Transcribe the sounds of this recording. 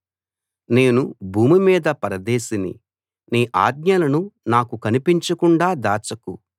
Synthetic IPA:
ne̞ːnubʱuːmimiːd̪ɐpɐɾɐd̪eːsinḭ | niːʔa̰ːdɲɐlɐnunaːkukɐnipiɲt͡ʃɐkuɳɖaːd̪aːt͡ʃɐku

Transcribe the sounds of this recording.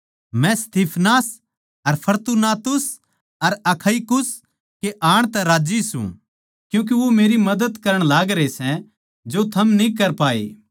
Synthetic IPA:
mɛ̃st̪iːpʰnaːs | ɐɾpʰɐɾt̪unaːt̪ʊs | ɐɾɐkʰɐikʊs | keʔaːɽ̃t̪ɛɾaːd͡ʒisṵ̃ | kjũːk̬eʋomeːɾimɐd̪əd̪kɐɾəɽ̃laːɡɾesɛ̃ | d͡ʒot̪ʰɐmnĩkɐɾpaːḛː

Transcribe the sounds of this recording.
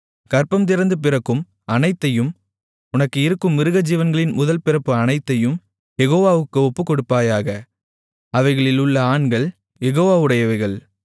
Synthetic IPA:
kɐɾpɐmt̪ɪɾɐnd̪ɯp̬ɪɾɐkːɯm | ɐnɐɪt̪ːɐjɯm | ʊnɐkːɯɪɾɯkːɯmːɪɾɯɣɐd͡ʒiːʋɐnɡɐɭɪnmʊðɐlpɪɾɐpːɯɐnɐɪt̪ːɐjɯm | jɛɣoːʋaːʋɯkːɯɔpːɯkːɔɽɯpːaːjaːɣɐ | ɐʋɐɪɣɐɭɪlʊɭːɐaːɳɡɐɭ | jɛɣoːʋaːɯɽɐjɐʋɐɪɣɐɭ

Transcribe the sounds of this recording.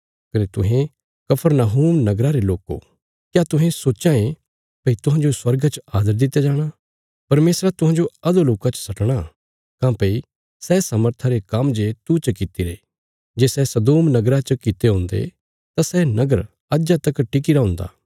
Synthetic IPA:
kɐnet̪ʊɦẽ | kɐpʰəɾnaɦuːmnɐɡɾaɾeloːko̰ | kjaːt̪ʊ̃ɦẽsoːt͡ʃãẽ | pɐit̪ʊ̃ɦãd͡ʒoswɐɾɡt͡ʃaːd̪əɾd̪ɪt̪ːjad͡ʒaːɽ̃a | pɐɾmeːsɾat̪ʊɦãːd͡ʒoɐd̪oloːkat͡ʃə̥sɐʈɽ̃a | kãːpɐi | sɛːsɐməɾt̪ʰaɾekɐmd͡ʒet̪ut͡ʃəkɪt̪iɾḛ | d͡ʒeːsɛsɐd̪oːmnɐɡɾat͡ʃəkɪt̪eɦõːnd̪ḛ | t̪asɛnɐɡəɾ | ɐd͡ʒat̪ɐkʈɪk̬iɾaɦʊ̃ːnd̪a̰ː

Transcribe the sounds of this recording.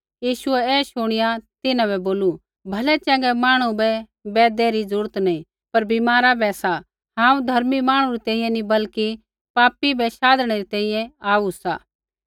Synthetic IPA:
jiːʃʊɛɛːʃʊɽ̃ɪjat̪ɪnãβɛboːlu | bʱɐlɛt͡ʃɛ̃ːŋɡɛmaːɽ̃ubɛ | bɛːd̪ɛɾid͡zɾuːɾət̪nɐĩ | pɐɾbimaːɾabɛsa | ɦãːũd̪ʱɐɾmimaːɽ̃ũɾit̪ɛ̃ːĩjɛ̃nibɐlki | paːpibɛʃaːd̪ɽ̃eɾit̪ɛ̃ːĩjɛ̃aːusa̰ː

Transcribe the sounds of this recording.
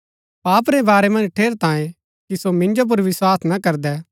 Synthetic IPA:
paːpɾɛbaːɾɛmɐ̃nd͡ʒʈʰeːɾt̪ãːjẽ | kisomɪ̃nd͡ʒop̬ʊɾʋɪswaːsnɐkɐɾd̪ɛ

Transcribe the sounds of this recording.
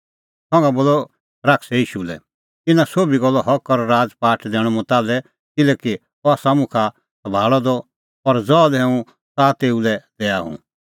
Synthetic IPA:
sɔ̃ŋɡaboːlɔ | ɾaksɛiːʃulɛ̰ | t̪ɪnãsoːbiɡɔlːɔɦɔkːɔɾɾaːd͡zpaːʈʰd̪ɛːɽ̃ɔmɔt̪aːlɛ | kɪlɛki | ɔaːsamʊ̃kʰa | sɐbʱaːɭɔd̪ɔ | ɔɾd͡zɔːlɛũ | sat̪eːulɛd̪ɛːaɦṵ̃

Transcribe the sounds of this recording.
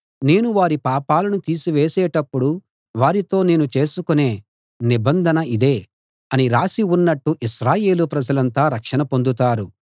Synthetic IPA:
ne̞ːnuʋaːɾipaːpaːlɐnut̪iːsiʋeːsɛːʈɐpːuɽu | ʋaːɾit̪o̞ːne̞ːnut͡ʃe̞ːsukune̞ː | nibɐnd̪ʱɐnɐid̪eː | ɐniɾaːsiunːɐʈːuʔiʃɾaːje̞ːlupɾɐd͡ʒɐlɐnt̪aːɾɐkʂɐnɐpo̞nd̪ut̪aːɾu

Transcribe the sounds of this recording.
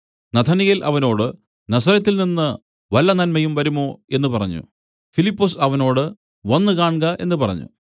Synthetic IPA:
nɐt̪ʰɐniɣilʔɐʋɐno̞ːɽɨ | nɐsɐɾɐt̪ːilninːɨ | ʋɐlːɐnɐnmɐjumʋɐɾumo̞ːe̞nːupɐrɐ̰ɲːṵ | filipːosɐʋɐno̞ːɽɨ | ɐnːɨkaːɳɡɐʔe̞̰nːɨpɐrɐ̰ɲːṵ

